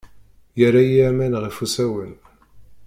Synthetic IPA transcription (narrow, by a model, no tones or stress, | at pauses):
jərːajimænʁifusæwən